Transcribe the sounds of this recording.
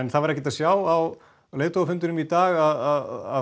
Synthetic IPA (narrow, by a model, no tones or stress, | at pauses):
ɛnθavaɾɛhcɪt̪asjaːwaw | leːt̪owafʏnt̪ʏnʏmit̪aːɣaðaða̰